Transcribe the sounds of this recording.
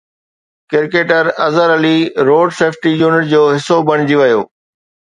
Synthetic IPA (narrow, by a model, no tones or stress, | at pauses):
kɪɾkeːʈəɾɐzəɾɐliɾoːɖseːfʰʈijuːnɪʈ̚d͡ʑoːɦɪsobɐɽ̃ɪd͡ʑiʋɐjoː